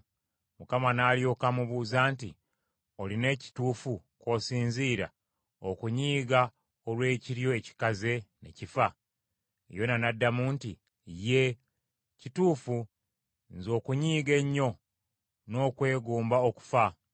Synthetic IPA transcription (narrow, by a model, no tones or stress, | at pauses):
mukamanaːljo̞ːkamuβuːzaːntḭ | o̞line̞ci̥tuːfu | ko̞siːnziːɾa̰ | okuɲiːɡa | olwe̞ːciɾjo̞eci̥kaze̞ne̞̰cifa | ḛjo̞nanadːamunti | je̞ | cituːfu | nzo̞ːkuɲiːɡe̞ɲːo̞ | no̞ːkwe̞ːɡuːmbaoku̥fa